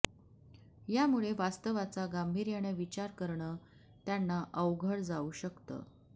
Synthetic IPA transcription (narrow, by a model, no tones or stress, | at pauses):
jamuɭeʋast̪əʋat͡saɡambʱiɾjaɽ̃əʋit͡ɕaɾkəɾɳəː | t̪janːaʔəwɡʱəɽd͡zauːɕəkt̪ə̰